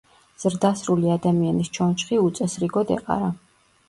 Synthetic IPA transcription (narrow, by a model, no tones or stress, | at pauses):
z̥ɾd̪asɾuliad̪amianist͡ʃʰɔnt͡ʃʰχiut̪sʼɛsɾiɡɔd̪ɛ̰qʼa̰ɾa